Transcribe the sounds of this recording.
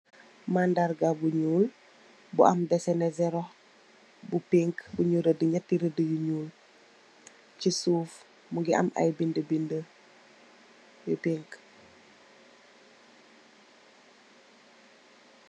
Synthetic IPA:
mandaɾɡabuɲuːl | bua̰mdɛsɛnezɛɾoh | bupiŋkbuɲuɾədiɲatːiɾədijuɲuːl | cisuːf | muɡiʔa̰ma̰jbindəbind | jipiŋk

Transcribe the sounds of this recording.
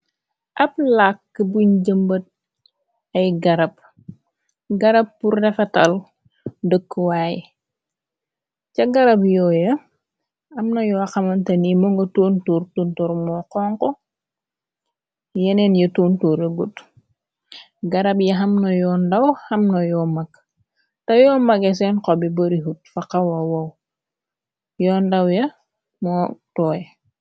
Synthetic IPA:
ʔɐp̚lakːəbuɲɟəmbət̚ | ɐjɡɐɾɐb̚ | ɡɐɾɐp̚ːurːɛfɐtɐl | dəkːəwaːji | cɐɡɐɾɐbjɔːjɐ | ɐmnɐjɔxɐmɐntɐnimoŋɡɐtontoːrtoːntoːɾmɔqɔːŋkɔ | jenenjɐtoːntuːɾeɡut | ɡaɾabjɐɦamnojɔndawhɐmnojɔːmak | tɐjɔːmaɡes̬ɛnqobiboɾiɦut̚faqawawaw | jɔːndawjɐ | motɔːj

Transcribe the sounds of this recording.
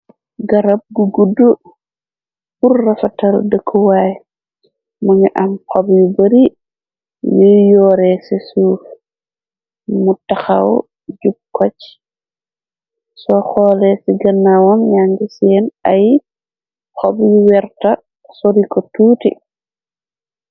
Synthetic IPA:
ɡaɾab̚ɡuɡudu | purːafatal̰dəkʰːuwaj | maŋiʔamhɔbjubəɾi | jijɔːɾɛsisuː | mutaxaw | d͡ʒub̚kɔt͡ʃ | sɔxɔːlɛsiɡɐnːawɔŋjaŋɡisɛːnaj | kɔbjuwɛɾta | soɾikɔtuːtḭ

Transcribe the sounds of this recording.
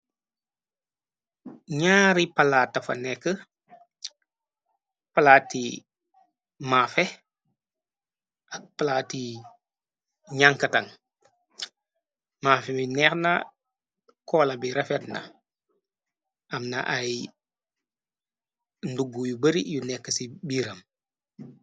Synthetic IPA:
ɲaːɾipalaːtːɐfɐ̰nɛkːə | palaːtːi | maːfɛ | ʔɐk̚palaːti | ɲaŋkɐtaŋ | maːfɛminɛːxna̰ | kɔːlɐbiɾɐfɛtna̰ | ʔɐmna̰ʔaj | nduɡːujubəɾijunɛkːəsibiːɾɐm

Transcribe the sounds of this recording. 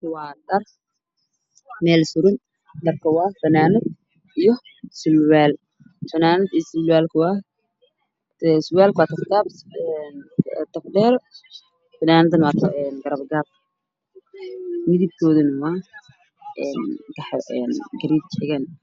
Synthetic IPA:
wɑːd̪ɐr | mɛːlsʊɾɪn | d̪ɐrkʰɐwaːfɐnaːnʊd̪̚ | ijɔ | sɪlwaːl | fɐnaːnɐd̪isɪlwaːlkʰɐwaː | sʊwaːlkwaːt̪ʰɐfk̪ʰaːbɛnt̪ʰɐfdɛːɾ | fɐnaːnɐd̪ɐnwɑːt̪ʰɐɛnɡɐɾɐbɡab̚ | mɪðib̚kʰɔːðɐnɐwɑː | ɛnɡɐħɛnɡɐɾiːb̚t͡ʃħɪɣɐn

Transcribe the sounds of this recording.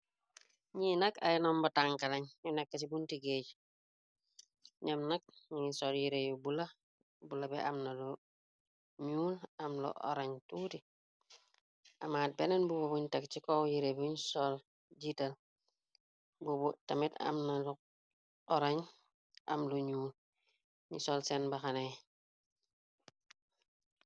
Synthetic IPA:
ɲinɐka̰jnombataŋkalaɲjunekːasibuntiɡeːɟ | ɲamnak̚ɲisoljiɾejubula | bulabɛʔamnalu | ɲuːlamlṵʔo̰ɾaɲtuti | ʔamaːt̚bɛnenbububuɲtɐk̚t͡ʃikowjiɾebiɲisɔl | ɟital | bubutamita̰mnalu | ɔɾaɲ | ʔa̰mluɲuːl | ɲisolsɛnbaxanej

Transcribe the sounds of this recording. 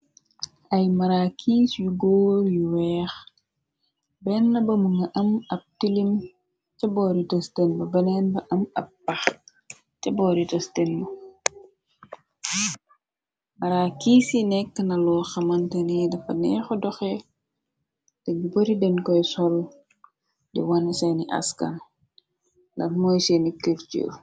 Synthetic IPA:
ʔɐjmɐɾakʰiːsjuɡɔːjuwɛːx | bɛnːɐbɐmuŋɐʔɐmɐp̚tilim | cɐbɔːɾitɐstɛnbɐbɐnɛnbɐʔɐmɐp̚ːɐx | cɐbɔːɾitɐstɛnmɐ | mɐɾaːkiːsinɛkːənɐlɔːxɐmɐntɛnɛdɐfɐnɛxɔdɔxɛ | dɐɡibɐɾidɛnkɔjsɔl | dḭwɐnɐsɐniʔɐ̰skɐ̰n | lɐtmɔjsɛnikəɾt͡ʃṵ

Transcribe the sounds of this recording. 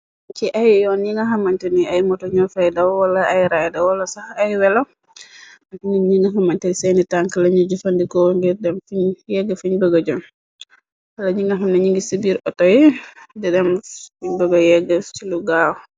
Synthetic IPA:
t͡ʃiʔajjɔnɲiŋɡaɦamːaɲtɛniajmɔtɔɲɔfajdawwalaʔajɾajdawalasahajwɛlɔ | atininɲiŋɡaɦamːantadisɛnitaŋkalaɲud͡ʒufandikɔŋɡiɾdɛmfiɲjɛɡafiɲbəɡad͡ʒɔn | kalaɲiŋɡaɦamnaɲiŋɡisibiɾʔɔtɔjɛdɛdɛmfiɲbəɡɔjɛɡːɛt͡ʃiluɡawɔ

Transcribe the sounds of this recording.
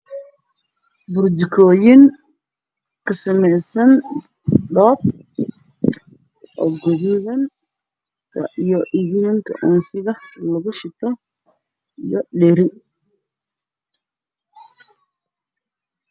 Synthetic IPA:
bʊrd̪ɪkʰɔːjɪŋ | kʰɐsɐmɛjsɐn | ɖɔːb | ʔɔɡɔðuðɐn | kʰɐ̰ʔijɔʔiɣɪnɐŋk̪ʰɐ̰ʔɔnsɪɣɐlɐɣʊʃɪt̪ʰɔ | ijɔɗɛɾɪ

